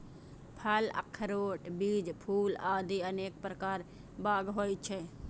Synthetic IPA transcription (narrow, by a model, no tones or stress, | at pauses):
pʰələ̰kʰːɾoːʈbiːd͡ʒpʰuːlaːd̪iəneːk̚pɾəkaːɾ | baːɡɦojt͡ʃʰɛ